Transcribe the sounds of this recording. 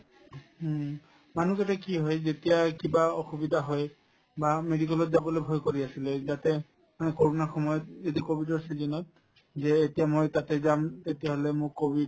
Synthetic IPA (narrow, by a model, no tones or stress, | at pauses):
manukɛtakiɦɔjzetijakibaɔxubidʱaɦɔj | bamedik̬ɛlɔtzabɔlojbʱɔjkoɹiasilɛzatɛ | manɛkɔɹonaxɔmɔjɔt̚etiakobʱidɔɹsizinɔt̚ | zɛetijamojtatɛzamtetijaɦɔlɛmʊɹkobʱid